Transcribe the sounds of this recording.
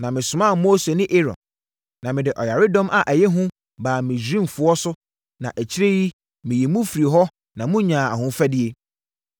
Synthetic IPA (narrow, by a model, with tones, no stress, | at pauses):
nã˨mɪ̃˨sʊ˨mã˦˨moː˦se˨nɪ̃˦ʔe˦ɾɔ̰̃˨n | nã˨mɪ̃˨dɪ˨ʔɔ˨ja˨ɾɪ˦dɔ̃˦mʔa˨ʔæ˨jɛ˦ɦʊ̃˦ | baː˨mɪ̃˨d͡ʑᶣɾĩ˦m˨fʊ˨ɔ˦sʊ˦ | nã̰˨ʔæ˨t͡ɕʰi˦ɾe˦ji˦ | mɪ̃˨jɛ˨mũ˦fi˨ɾi˨ɦɔ˦ | nã˨mʊ̃˦ɲã˨a̰˨ɦʊ̃˦fɛ˦dɪ˦e˦